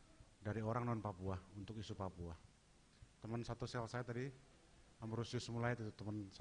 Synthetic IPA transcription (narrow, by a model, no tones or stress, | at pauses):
daɾioɾaŋnɔnpapuahunt̪ʊkisupapuah | t̪əmənsat̪usalsajat̪adi | amɾusiusəmulaɪt̪it̪ut̪əmən